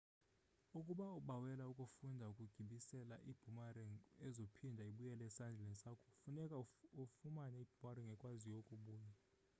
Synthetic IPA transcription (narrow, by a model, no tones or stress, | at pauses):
ukʼuɓauɓawɛlaukʼufundʱaukʼuɡ̥ʱiɓisɛlaʔib̥ʱumariɛzopʰindʱaiɓujɛlɛsand͡ɮʱɛɛnsakʰɔ̥funɛkʼaufumanɛib̥ʱumaɾiŋɡʱɛkʼwazijokʼuɓuːja